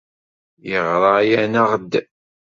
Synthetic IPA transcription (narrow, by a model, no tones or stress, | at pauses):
jəʁɾˤɑjænəʁd̪ː